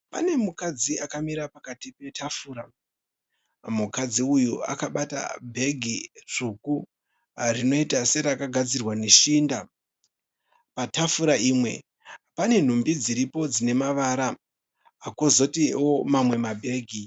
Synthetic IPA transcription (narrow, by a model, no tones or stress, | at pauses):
pa̰ne̞mukad͡ziakamiɾapakatipe̞tʰafuːɾa | mukad͡ziujua̰kaɓata̰bʱe̞ɡʱiruku | rino̞itase̞ɾakaɡʱad͡zirwane̞ʃiːnda | patafuɾaiːmwe̞̰ | pane̞n̤umbid͡ziɾipo̞d͡zine̞maʋaɾaː | kozo̞tio̞mamwe̞mabʱe̞ːɡʱi